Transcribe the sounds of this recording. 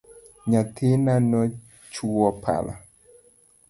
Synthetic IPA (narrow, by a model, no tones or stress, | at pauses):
ɲatʰenanɔ | t͡ʃuwɔpʰa̰la̰